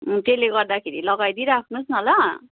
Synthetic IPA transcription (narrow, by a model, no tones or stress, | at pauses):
t̪eleɡʌrd̪akʰeɾilʌɡajd̪iɾakʰnusnʌlʌ